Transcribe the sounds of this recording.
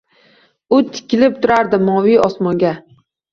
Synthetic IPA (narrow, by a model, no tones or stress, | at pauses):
ʊt̪ʰɪ̥kʲɪlɪp̚t̪ʰʊɾaɾd̪ɪmɒwɪɒsmɒŋɡʲa